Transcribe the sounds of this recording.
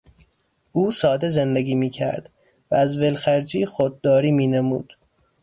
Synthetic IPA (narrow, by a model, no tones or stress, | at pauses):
ʔuːsɒːd̪e̞zend̪eɡʲiːmiːcʰæ̰ɾd̪̥ | vææzbelxæɾd͡ʒiːxod̪̚ːɒːɾiːmiːnemṵːd̪̥